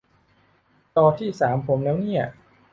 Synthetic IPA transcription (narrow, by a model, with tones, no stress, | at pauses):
t̪ɔː˧t̪ʰiː˥˩saː˩˦mpʰo˩˦mlɛː˦˥wni˥˩ɐ